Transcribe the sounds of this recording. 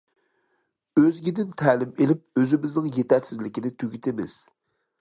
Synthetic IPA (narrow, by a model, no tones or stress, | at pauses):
øzɡʲid̪ɪnt̪ʰɛːlɪmelɪp̚øzɪmɪznɪŋjet̪ɛɾsɪzlɪkʲɪnɪt̪ʰyɡʲit̪ʰɪmɪ̰z̥